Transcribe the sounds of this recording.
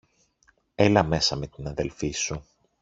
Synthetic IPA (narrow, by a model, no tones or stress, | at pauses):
elɐme̞sɐme̞t̪inɐðe̞lfisu